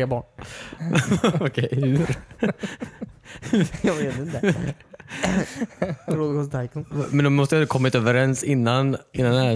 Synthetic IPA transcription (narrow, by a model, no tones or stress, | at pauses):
ɾeːbɑ̰ːɳ | ɔkʰɛɪhʉɾ | jɑveːt̪ɪnt̪ə | ɾod̪ɡɔst̪ʰajkʊmɛnd̪ɔmɔst̪əjad̪kʰɔmːɪt̪øːvəɾɛnsɪnːanʔɪnːanæ